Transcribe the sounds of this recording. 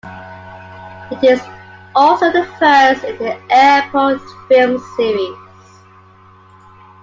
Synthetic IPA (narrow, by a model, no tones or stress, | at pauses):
ɪtɪzɔlˠsoʊðəfɜˑstɪ̃nðiʔɛpʰɔtfɪlˠmsiɹiz̥